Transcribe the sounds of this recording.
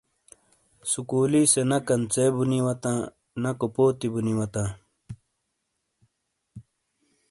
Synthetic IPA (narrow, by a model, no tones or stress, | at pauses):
sukuːlisenɐkɐnt͡seːbuniwɐt̪ãː | nɐkopoːt̪ibuniwɐt̪ãː